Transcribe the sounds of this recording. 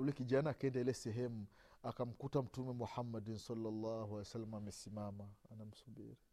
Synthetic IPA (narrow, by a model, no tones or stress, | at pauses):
ulɛkid͡ʒaːnaːkɛndɛlɛsɛɦɛmu | akam̩kutam̩tumɛmuħamːadinsɔlːalːahualɛsalːamamɛsimamaːnam̩subḭɾi